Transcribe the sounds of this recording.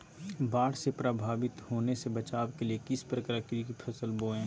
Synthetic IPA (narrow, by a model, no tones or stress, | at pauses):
baːɽsepɾabʱaːʋɪt̪hoːnesebɐt͡ʃaːwkeliekɪspɾəkɾakkipʰɐsəlboːẽː